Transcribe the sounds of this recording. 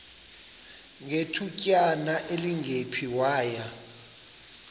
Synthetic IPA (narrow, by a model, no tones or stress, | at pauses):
ŋetʰucʼjanaʔeliŋʱepʰiwaːja